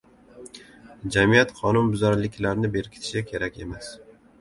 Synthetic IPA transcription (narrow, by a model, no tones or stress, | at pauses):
d͡ʒamijat̪qʰɒnʊnbʊzaɾlɪkʲlaɾnɪbe̞ɾkʲʰɪ̥t̪ʰɪ̥ʃɪkʲʰe̞ɾakʲe̞mas